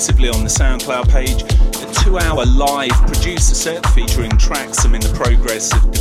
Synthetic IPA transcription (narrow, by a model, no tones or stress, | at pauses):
sɪvliə̃nðəsãʊ̃nkʰl̥aʊpʰeɪd͡ʒətʰʉːaʊəlaɪv̥pʰɹ̥əd͡ʒʉˑsəsɜˑʔn̩fiˑt͡ʃəɹɪ̃ntʰɹ̥aksə̃mɪ̃nðəpʰɹ̥əʊɡɹɛsəv